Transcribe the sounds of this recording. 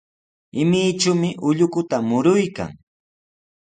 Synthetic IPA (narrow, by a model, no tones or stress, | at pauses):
ɪmɪjʈ͡ʂʊmɪʔʊʎʊkʊt̪amʊɾʊjka̰ŋ